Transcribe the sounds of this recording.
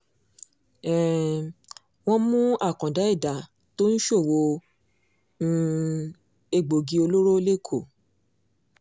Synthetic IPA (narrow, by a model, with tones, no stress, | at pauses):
ɛ˨ | w̃ɔ̃˦mũ˦a˦˨kɔ̃˨da˨˦i˦˨da˨ | to˦n̩˦ʃo˦˨wo˧˦ | e˧ɡ͡bo˨ɡi˧o˧lo˦ɾo˦le˦˨kʰo˦˨